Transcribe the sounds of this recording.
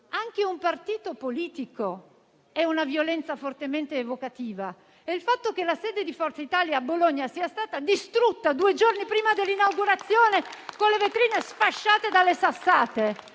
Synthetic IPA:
aŋk̟eumpart̪iːt̪opoliːt̪iko | ɛunavjolɛnt̪safort̪ement̪eːvokat̪iːva | eilfat̪ːok̟elasɛːd̪ed̪ifɔrt̪sait̪aːljaːbːoloɲːasiːast̪aːt̪ad̪ist̪ɾut̪ːad̪uːed͡ʒornipɾiːmad̪elːinawɡuɾat̪sːjoːnekonlevet̪ɾiːnesfaʃːaːt̪ed̪alːesasːaːt̪e

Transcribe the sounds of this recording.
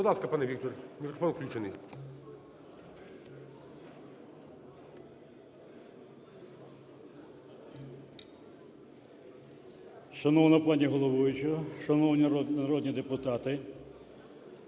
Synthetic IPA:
bɔd̪lɑskɐpɑnɛʋʲikt̪ɔrʲmʲikɾɔfɔnwklʲut͡ʃenɨj | ʃɐnɔwnɔplˠɑnʲiɦɔlˠɔʋɔjʊt͡ʃɔʃɐnɔwnʲiɐɾɔd̪ʲnʲid̪epʊt̪ɑt̪ɪ

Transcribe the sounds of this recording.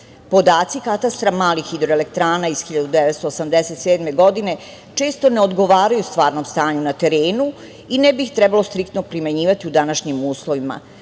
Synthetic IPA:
po̞d̪aːt̪sikat̪ast̪ɾamaːlixid̪ɾoe̞lekt̪ɾaːnaiz̥xiʎad̪ud̪eʋet̪st̪oːsamd̪eset̪seːd̪me̞ɡo̞d̪ine̞ | t͡ʃe̞ːst̪o̞neo̞d̪ɡo̞ʋaːɾajust̪ʋaːɾno̞mst̪aːɲunat̪e̞ɾeːnu | inebixt̪ɾɛbalo̞st̪ɾikt̪nopɾimeɲiːʋat̪iud̪anaʃɲimuːslˠoʋima̰

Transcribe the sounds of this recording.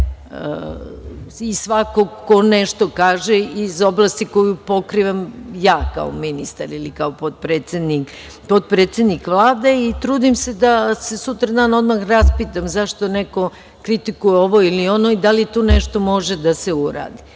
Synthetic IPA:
ə̰ | isʋakoko̞neʃt̪o̞kaːʒeizo̞blˠast̪iko̞jupo̞kɾiʋamjaːka̰o̰minist̪a̰ɾilikaopot̪̚pɾeːt̪sed̪nik | pot̪̚pɾeːt̪sʲed̪nikʋlˠaːd̪eit̪ɾuːd̪imse̞d̪ase̞sut̪ɾad̪aːno̞d̪maxɾaspiːt̪amzaʃt̪oneko̞ | kɾit̪ikujeo̞ʋo̞ilio̞noid̪alit̪oneʃt̪o̞mo̞ʒed̪ase̞uɾa̰ːd̪i

